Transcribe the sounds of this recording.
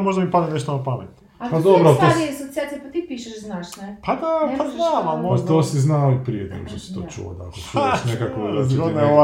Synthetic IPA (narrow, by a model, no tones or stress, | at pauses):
moʒd̪amipad̪eneʃt̪onapamet̪ | apad̪obɾot̪oiasot̪siat̪ijepat̪ipiʃɛʃznaʃnɛpad̪apad̪amalmot̪osiznaoipɾiḛt̪no̰ɡʃosi̥t̪ot͡ʃṵʋo̰t̪akot͡ʃuʃnekakozɡonɛ